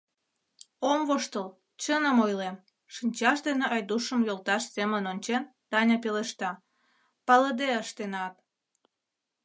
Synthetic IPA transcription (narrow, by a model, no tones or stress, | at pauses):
omvoʃt̪əl | t͡ɕənəmojlem | ʃinʲt͡ɕɑʃd̪eneɑjd̪uʃəmjolt̪ɑʃsemənonʲt͡ɕent̪ɑnʲɑpeleʃt̪ɑ | pɑləd̪eəʃt̪enɑp̪̚